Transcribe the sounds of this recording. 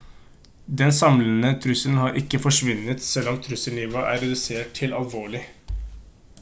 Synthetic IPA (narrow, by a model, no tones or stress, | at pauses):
d̪ɛnsɑmlənət̪ʰɾʉsəln̩hɑɾʔɪkːəfɔʂʋʉnət̪sɛlɔmt̪ʰɾʉsəliːʋɑʔæ̰ːɾɛd̪ʉseːʈ̚ʰɪlɑlʋoːɭɪ